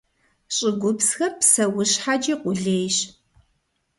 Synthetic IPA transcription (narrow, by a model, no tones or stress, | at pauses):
ɕʼɪɡʷʊpsxɐrpsɐwʊɕħad͡ʒiːqʷʊɮeːjɕ